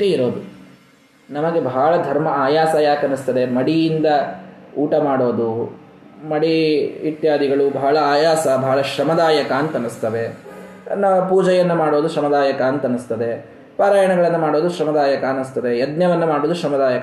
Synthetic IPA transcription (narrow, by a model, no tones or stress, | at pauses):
ʈeiɾo̞ːd̪u | nɐmɐɡebʱaːɭɐd̪ʱɐɾmɐaːjaːsɐjaːkɐnːist̪ɐd̪e̞mɐɽijind̪ɐuːʈɐmaːɽo̞ːd̪u | mɐɽiit̪jaːd̪iɡɐɭubʱɐɦɐɭɐaːjaːsɐbʱaːɭɐʃɾɐmɐd̪aːjɐkaːnt̪ɐnːust̪ɐʋe̞ | nːapuːd͡ʒɐjɐnːɐmaːɽo̞ːd̪uʃɾɐmɐd̪aːjɐkaːnt̪ɐnːust̪ɐd̪e̞ | paːɾaːjɐɳɐɡɐɭɐnːɐmaːɽoːd̪uʃɾɐmɐd̪aːjɐkɐːnːust̪ɐd̪e̞jɐd̪njɐʋɐnːɐmaːɽoːd̪uʃɾɐmɐd̪aːjɐkɐ